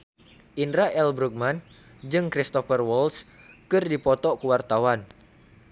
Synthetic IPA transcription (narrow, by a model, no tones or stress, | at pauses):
ʔinɾaʔɛlbɾuk̚man | d͡ʒɨŋkɾist̪ɔfərwɔls | kɨrdipɔt̪ɔkuwart̪awan